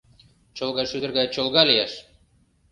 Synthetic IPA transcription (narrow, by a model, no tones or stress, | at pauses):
t͡ɕolˠɣɑʃyd̪ə̆rɣɑjt͡ɕolˠɣɑlijæʃ